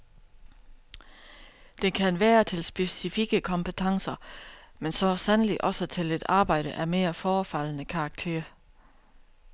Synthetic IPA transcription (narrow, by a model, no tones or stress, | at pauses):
d̥enkʰænʋæːɐt͡sʰe̝lsb̥e̝sifiɡ̥əkʰɒ̽mpət͡sʰɑ̈ŋsɐmensɒ̽sænliʔɒ̽sət͡sʰe̝le̝d̥ɑ̈ːb̥ɑ̈ɪ̰ɾ̥əʔæɐme̝ːɐfɒːfæl̰nəkʰɑ̈ːɡ̥̚t͡sʰe̝̰ːɐ